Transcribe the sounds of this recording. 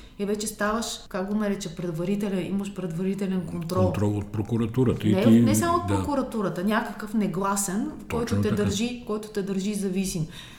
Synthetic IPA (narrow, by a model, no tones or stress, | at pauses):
ɛvɛt͡ʃɛst̪avəʃkaɡ̚ɡonaɾɛt͡ʃəpɾɛd̪vɐɾit̪ɛlɛnḭmɐʃpɾɛd̪vɐɾit̪ɛlɛnkont̪ɾɔlˠt̪ɾɔlˠot̪̚pɾokuɾɐt̪uɾət̪ənɛonɛsamoot̪̚pɾokuɾɐt̪uɾət̪ənʲakəkɤfnɛɡlˠasɛnfkɔjt̪ot̪ɛd̪ɐɾʒikɔjt̪o̥t̪ɛd̪əɾʒizɐvisim